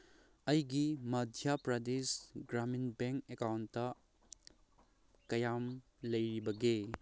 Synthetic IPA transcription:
ɐjɡimɐdʱjapɾɐdesɡɾaminbeŋkekawntːɐ | kɐjam | lɐjɾibɐɡe

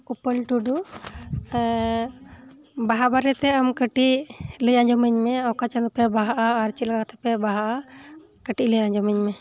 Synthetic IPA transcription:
upəlʈuɖu | baɦabaɾɛt̪ɛamkəʈiʔləjaɲd͡ʒɔməɲmɛawkat͡ʃanɔpɛbaɦaʔaːɾt͡ʃilaɡakt̪ɛpɛbaɦaʔa | kəʈiʔləjaɲd͡ʒɔməɲmɛ

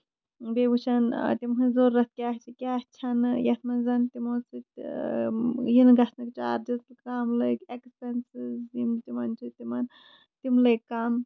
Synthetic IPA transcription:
bebut͡ʃʰɐnt̪imɦɨzoːɾːɐt̪̚kʲaht͡ʃʰikʲaːht͡ʃʰɐnjɐt̪ʰmɐnzɐnt̪imosit̪ | jinɡɐsʰnɨkt͡ʃa̰ːɾd͡ʒɐzkikaːmlɨkekspensizimt̪imɐnt͡ʃʰit̪imɐn | t̪imlekaːm

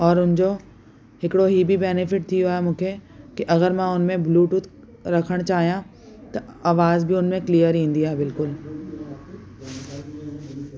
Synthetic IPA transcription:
ɔːɾʊnd͡ʑo | ɦɪkɽoɦibʱibɛːnɪfɪʈ̚t̪ʰijoɛmũːkʰekiʔɐɣəɾmɛ̃ʊnmẽbluːʈut̪ | ɾɐkʰəɽ̃t͡ɕaːɦijã | t̪ɐaːʋaːzbʱiʊnmẽklijəɾɦĩːnd̪iɦaːbɪlkʊl

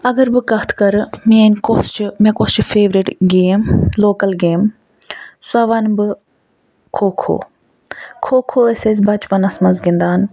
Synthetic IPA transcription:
ɐɡɐɾbɨkɐt̪ʰkɐɾmeːnkost͡ʃʰmẽkost͡ʃʰipʰeːʋɾiʈɡeːmloːkɐlɡeːm | sɐʋɐnbɨ | kʰoːkʰo̰ː | kʰoːkʰoːeses̬ʲbɐt͡ʃpɐnɐsmɐnzɡind̪aːn

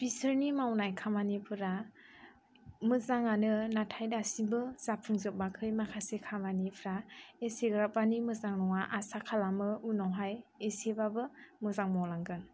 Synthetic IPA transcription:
pisɯɾnimawnajkʰamanipʰɯɾa | mɯzaŋanɯnatʰajdasibɯz̥apʰɯŋzɯp̚makʰɯjmakʰasekʰamanipʰɾaeseɡɯɾap̚banimɯzaŋnɔŋaʔasakʰalamɯunawɦajesebabɯmɯzaŋmɔlaŋɡɯn

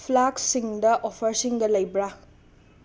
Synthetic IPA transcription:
pʰlaksiŋdɐʔopʰɐɾsiŋɡɐlɐjbɾa

